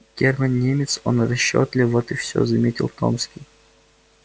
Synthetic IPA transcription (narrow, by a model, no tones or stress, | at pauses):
ɡʲermənːʲemʲɪt̪so̰nrɐɕːo̰t̪lʲɪvɔt̪ɨfsʲo̰zɐmʲetʲɪ̰lˠt̪o̰mskʲij